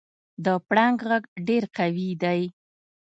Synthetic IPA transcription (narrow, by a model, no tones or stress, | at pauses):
d̪əpɽaŋɡɣaɡɖeɾqawid̪aj